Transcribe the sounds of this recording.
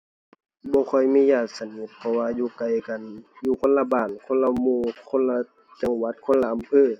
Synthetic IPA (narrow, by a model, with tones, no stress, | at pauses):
bɔː˧˦kʰɔ˧˩jmiː˧˥˨jaː˧˩t̪̚sa˧ni˧˦t̪̚pʰɔ˧waː˧juː˧˩ka˨˩jka˨njuː˧kʰo˧˥˨nla˧baː˧˩nkʰo˧˥˨nla˧muː˧˩kʰo˧˥˨nla˧ | t͡ɕa˨˧˦ŋwa˧˥t̪̚kʰo˧˥˨nla˧ʔa˨mpʰɤː˧˥˨